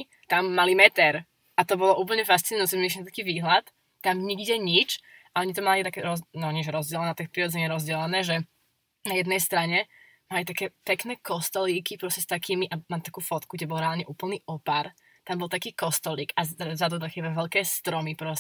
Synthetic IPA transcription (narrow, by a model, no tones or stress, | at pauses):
t̪amːalimɛt̪ɛɾ | ʔat̪ɔbɔlɔʔuːp̬l̩ɲɛfastt͡sinʊjut͡sɛmiʃnt̪ḁkiːʋiːɦlat̪ː | amɲiɡɟɛɲit͡ʃ | aɔɲit̪ɔmalit̪akɛɾɔnɔɲɪɛʒɛɾɔzd͡ʑɛlɛnɛt̪akɛpɾiɾɔd͡zɛɲiɛɾɔzɟɛlɛnɛːʒɛ | najɛd̪nɛjst̪ɾaɲɛ | malit̪akɛːpɛknɛːkɔst̪ɔliːkipɾɔscɛst̪akiːmiʔamalt̪akuːfɔt̪kuɡɟɛbɔlˠɾɛaːlɲɛʔuːpl̩niːɔpaɾ | t̪ambɔlˠt̪akiːkɔst̪ɔliːkazad̪ɔd̪axɛbɛʋɛʎkɛːst̪ɾɔmipɾɔs